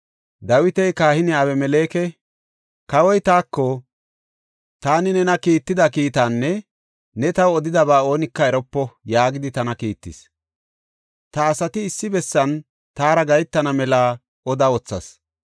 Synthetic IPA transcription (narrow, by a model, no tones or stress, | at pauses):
d̪ɐwɪt̪ɛjkaːhɪnɪaːwɛmɛleːkɛ | kɐwɔjt̪aːkːɔ | t̪aːnɪnɛnɐkiːt̪ːɪd̪ɐkiːt̪anːɛ | nɛt̪ɐwɔd̪ɪd̪ɐbaːo̞ːnɪkːɐɛɾɔpːɔjaːɡɪd̪ɪt̪ɐnɐkiːt̪ːɪ̰s | t̪ɐːsɐt̪ɪːsːɪbɛsːɐn | t̪aːɾɐɡɐjt̪ːɐnɐmɛlaː | ɔd̪ɐwɔt͡sːɐ̰s